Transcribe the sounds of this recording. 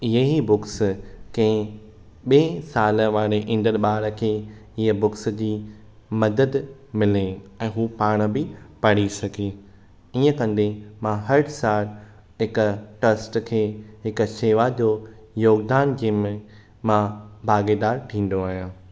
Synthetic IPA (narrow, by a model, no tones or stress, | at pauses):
ɪɦeɦibʊkskɐ̃ɦɪ̃ | ɓeːsaːləʋaːɾeʔɪ̃nd̪əɾɓaːɾə̆kʰeːɪɦəbʊksd͡ʑiː | mɐd̪əd̪mɪleɛ̃ːɦuːpaːɽ̃ə̆bɪpɐɽ̃isɐɡʱeː | iːə̃kɐ̃n̆d̪emãɦɐɾɽsaːɾ | ɦɪkʊʈɐsʈkʰeːɦɪkʃeːʋad͡ʑoː | joːɡd̪aːnd͡ʑiːmẽ | mãbʱaːɡed̪aːɾʈʰĩːn̆d̪oaːɦijãː